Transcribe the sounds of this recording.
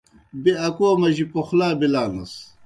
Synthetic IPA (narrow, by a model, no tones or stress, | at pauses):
biɐkoːmɐʑipoxlaːbilaːnɐs